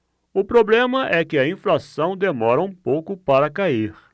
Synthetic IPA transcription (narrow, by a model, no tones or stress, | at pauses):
ʊpɾoblẽmɐʔɛkɪɐĩflasɐ̃w̃d̪emɔɾɐũpowkʊpaɾɐkaiɾ